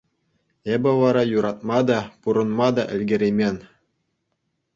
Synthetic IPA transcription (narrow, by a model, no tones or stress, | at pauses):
ebʲɘ̆ʋɑɾɑjuɾɑt̪̚mɑd̪ɑpuɾɤ̆nmɑd̪ɑʔɘ̆lʲɡʲɘ̆ɾʲemʲenʲ